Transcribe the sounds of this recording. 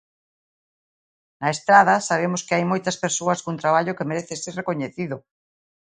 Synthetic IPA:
nɐest̪ɾaðɐsaβ̞emʊskɪajmojt̪ɐspeɾsoɐskont̪ɾaβaʎʊkemeɾeθeserekoɲeθiðʊ

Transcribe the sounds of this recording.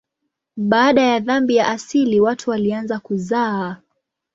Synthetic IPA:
ɓaːɗajaðambijaʔasiliwatʰuwalianzakuzaː

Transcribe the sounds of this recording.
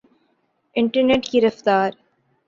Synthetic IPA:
ɪ̃ɳʈəɾneʈkiɾɐft̪aːɾ

